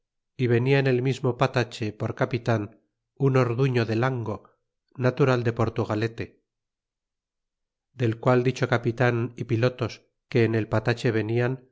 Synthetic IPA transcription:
iβ̞e̞niaene̞lmizmo̞pat̪at͡ʃe̞po̞ɾkapit̪an | uno̞ɾðuɲo̞ðe̞laŋɡo̞ː | at̪uɾald̪e̞po̞ɾt̪uɣale̞t̪e̞ | d̪e̞lkwald̪it͡ʃo̞kapit̪anipilot̪o̞s | ke̞ːne̞lpat̪at͡ʃe̞β̞e̞nian

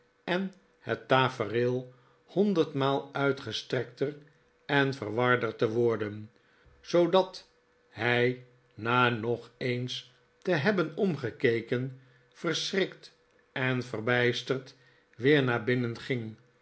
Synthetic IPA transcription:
ɛn | hətːaːfərɪlˠ | hɔndərtmaːlˠœɥtχəstrɛk̚tər | ɛnfərʋɑɹdərtəʋɔɹdən | z̥owdɑt | hɛj | naːnɔχejns | təɦɛbənɔmχəkejkən | fərsrɪkt | ɛnfərbɛjstərt | ʋɪːɹnaːbɪnənχɪŋ

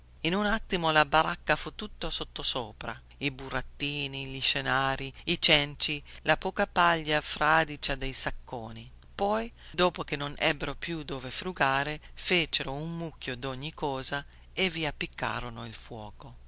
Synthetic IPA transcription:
inunat̪ːimolabaɾakːafut̪ːut̪ːosot̪ːosoːpɾa̰ | iburat̪ːiːniʎiʃenaːɾiit͡ʃɛnt͡ʃilapɔːkapaʎːafɾaːd̪it͡ʃad̪ejsakːoːni | pɔjd̪oːpok̟enːonʔɛ̰bːeɾopjud̪oːvefɾuɡaːɾefeːt͡ʃeɾoummukːjod̪oɲːikːɔːza | eviapːikʰːa̰ːɾonoilfwɔ̰ːko

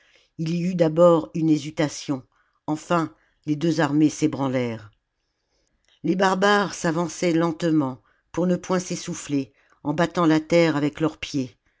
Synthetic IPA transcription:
iliyd̪abɔʁynezyt̪asjɔ̃ | ɑ̃fɛ̃ | led̪øzaʁmesebʁɑ̃lɛʁ | lebaʁbaʁsavɑ̃sɛlɑ̃t̪mɑ̃ | puʁnəpwɛ̃sesufle | ɑ̃bat̪ɑ̃lat̪ɛʁavɛklœʁpje

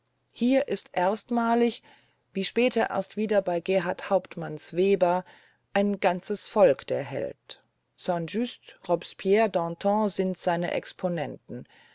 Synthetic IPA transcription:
hiːɐʔɪstʔeɐstmaːlɪç | viːʃpɛːtʰɐʔḛːɐstv̥iːdɐbaɪɡɛːɦaɐthaʊptmansv̥eːbɐ | ʔaɪnɡ̥ant͡səsfɔlkd̥eːɐɦɛ̰lt | sɑ̃nʒystʁɔpspʰjɛːɐdɑ̃ːtʰɑ̃ːzɪntz̥aɪnə̰ʔɛ̰kspʰonɛntn̩

